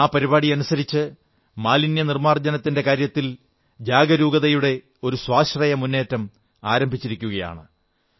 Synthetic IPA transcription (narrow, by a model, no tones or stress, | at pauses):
aːpɐɾiβaːɽiɐnusɐɾit͡ɕːɨ | maːlinjɐnirmaːrd͡ʑɐnɐt̪ːinde̞kaːɾjɐt̪ːil | d͡ʑaːɡɐɾuːɡɐðɐjuɽe̞ | o̞ɾuswaːɕrɐjɐmunːe̞ːtːɐm | aːɾɐmbʱit͡ɕːiɾikʲːuɣɐja̰ːɳɨ